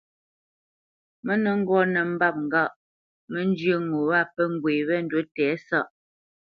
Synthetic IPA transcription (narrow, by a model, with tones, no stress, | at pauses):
mə˦nə˨ŋ̩˦ɡwɔ˦nə˨m̩˦ba˦˨p̚ŋ̩˨ɡa˦˨ʔ | mə˦n˦d͡ʒə˦ŋo˨wa˦˨pə˦ŋ̩˦ɡwe˨βɛ˦˨n̩˦dwə˨˦tɛː˨˦sa˦ʔ